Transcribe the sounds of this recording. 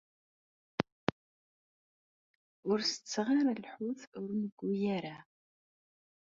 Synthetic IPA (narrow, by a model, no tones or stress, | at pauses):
ʊɾsət͡sːʁaɾalħuθʊɾməɡʷːijæɾa